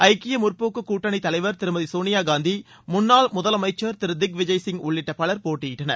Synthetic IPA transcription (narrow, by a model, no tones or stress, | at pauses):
ɐɪkːɪjɐmʊrpoːkːɯkːuːʈːɐɳɪt̪ɐlɐɪʋɐɾt̪ɪɾɯmɐðisoːnɪjaːɡaːnd̪i | mʊnːaːlmʊðɐlɐmɐɪt͡ʃːɐɾt̪ɪɾɯd̪ɪk̚ʋɪd͡ʒɐjsɪŋʊɭːɪʈːɐpɐɭɐɾpoːʈːɪjɪʈːɐnɐ̰ɾ